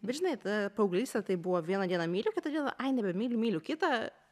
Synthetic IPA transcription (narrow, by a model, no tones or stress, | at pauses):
bʲɛt̪ʒʲɪnɐɪt̪dɐpɐʊɡlʲiːsʲt̪ʲɛt̪ɐɪbʊʋɔʋʲiɛnɐd̪ʲiɛnɐmʲiːlʲukʲɪt̪ɐd̪ʲiɛnɐ̰ʔɐɪnʲɛbʲɛmʲiːlʲumʲiːlʲʊkʲɪt̪ɐ